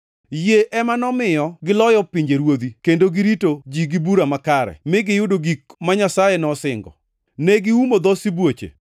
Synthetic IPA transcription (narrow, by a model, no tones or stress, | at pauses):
jeʔɛmanɔmɪjɔɡɪlɔjɔpiɲd͡ʒeɾwod̪ikendoɡiɾitod͡ʒiɡibuɾamakaɾɛ̰mɪɡɪjʊdoɡikmaɲasajenɔsɪŋɡɔ̰ | nɛɡɪumod̪ɔsibwot͡ʃḛ